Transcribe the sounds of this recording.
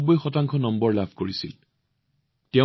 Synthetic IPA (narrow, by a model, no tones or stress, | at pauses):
bɔjxɔtaŋkʰɔnɔmbɔɹlabʱkoɹisḭl | tɛ